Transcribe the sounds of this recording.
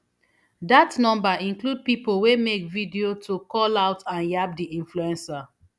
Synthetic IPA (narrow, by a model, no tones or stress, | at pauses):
datnɔ̃mbaĩnklud̚pipolwemekvidiotʰokɔlaʊtãnjap̚diʔĩnfluɛ̃nsa